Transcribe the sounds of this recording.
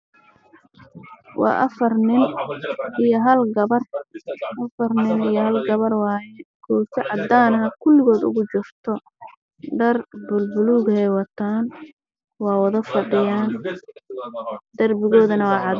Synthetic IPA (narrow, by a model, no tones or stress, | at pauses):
wɑ̰ːʔɐ̰fɐrnɪnʔijɔɦɐlɡɐβɐrʔɐfɐrnɪnijɔɦɐlɡɐβɐrwɑːjɛɡ̥ʰɔːsɐʕɑd̪aːnɐɦɐkʰʊlːɪɣɔːd̪ʊ̰ɣʊt͡ʃʊrt̪ʰɔ | ɖɐrbʊlbʊluːɣɛjwɑt̪ʰaːn | wɑːwɑðɐfɐɖɪjaːn | d̪̥ɐrbɪɣɔːðɐnɐwɑːʕɑd̪